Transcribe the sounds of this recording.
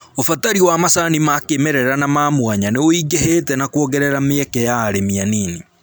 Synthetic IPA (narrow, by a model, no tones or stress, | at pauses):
ofataɾiwamasanimakemɛɾɛɾanamaːmwaɲaneoiɡeheːtɛnakwɔɣɛɾɛɾameɛkɛjaːɾemianiːni